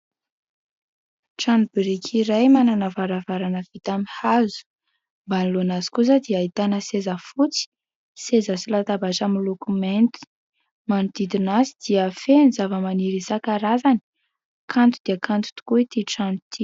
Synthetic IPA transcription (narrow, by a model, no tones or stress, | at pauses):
ʈ͡ʂanubiɾikʲʰiɾajmananavaɾavaɾanəv̥it̪amihazu̥ | mbanilonazi̥kus̬əd̪iaːit̪anəsezəfut͡si̥ | sezəsilat̪abaʈ͡ʂamilokument̪i̥ | manud̪̥id̪inasid̪̥iəfenizavəmaniɾisakaɾazani̥ | kʰant̪ud̪̥iəkant̪u̥t̪u̥kuit̪iʈ͡ʂanut̪ʰi